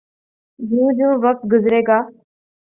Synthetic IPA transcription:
jũːd͡ʒũːʋək̚t̪̚ɡʊzɾeːɡaː

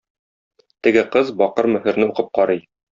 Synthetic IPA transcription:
t̪ɘ̆ɡɘqɤzbɒqɤɾmɵ̆hɘ̆ɾnɘuqɤp̚qɒɾɤj

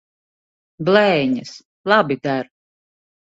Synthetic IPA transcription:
blˠɛjɲɨs | lˠabid̪æɾ

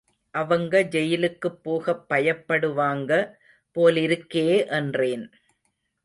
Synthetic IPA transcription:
ʔɐʋɐŋɡɐd͡ʒɛjɪlɯkːɯpːoːɣɐpːɐjɐpːɐɽɯʋaːŋɡɐ | poːlɪɾɯkːeːʔɛndreːn

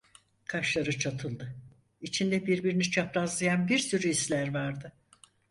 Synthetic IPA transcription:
kʰaʃlˠaɾɯt͡ʃʰat̪ʰɯlˠd̪ɯ | it͡ʃʰind̪ɛbiɾbiɾinit͡ʃʰapɾazlˠajanbiɾsyɾyislʲæɾvaɾd̪ɯ

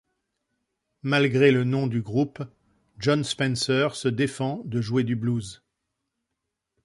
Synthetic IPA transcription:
malɡʁelənɔ̃d̪yɡʁup | ʒɔnspɛ̃nsœʁsəd̪efɑ̃d̪əʒwed̪ybluz

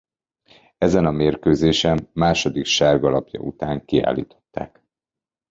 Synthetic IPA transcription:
ɛzɛnɒmeːrkøːzeːʃɛmːaːʃo̞d̪ikʃaːrɡɒlɒpjɒ̰ʔut̪aːŋkia̰ːlḭːt̪o̞̥t̪ːa̰ːk

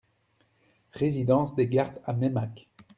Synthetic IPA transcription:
ʁezid̪ɑ̃sd̪eɡaʁd̪amɛmak

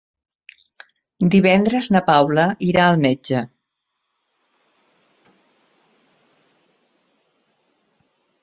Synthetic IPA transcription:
d̪iβ̞ɛnd̪ɾəznəpawləʔiɾaəlˠmed͡ʒə

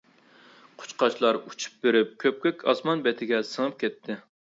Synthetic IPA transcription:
qʰʊ̥t͡ʃqʰɑt͡ʃlˠɑɾut͡ʃʰu̥p̚beɾɪp̚kʲʰøp̚kʲøkʲʰɑ̰smɑnbɛt̪ʰɪɡʲɛsəŋɨp̚kʲʰɛt̪ʰːɪ

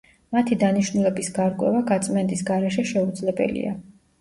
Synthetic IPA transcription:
mat̪ʰid̪aniʃnulɛbisɡaɾkʼwɛ̰vaɡat̪sʼmɛnt̪ʼisɡaɾɛʃɛʃɛud̪zlɛbɛ̰lḭa̰

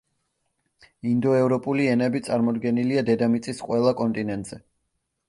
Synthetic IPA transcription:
ind̪ɔɛvɾɔpʼuliɛnɛbit̪sʼaɾmɔd̪ɡɛniliad̪ɛd̪amit̪sʼisqʼwɛlˠakʼɔnt̪ʼinɛnt̪ʼz̥ɛ

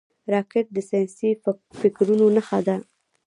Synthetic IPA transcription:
ɾɑkɪʈ̪̚d̪əsɑjɑnsifɪkɾunonaxad̪a

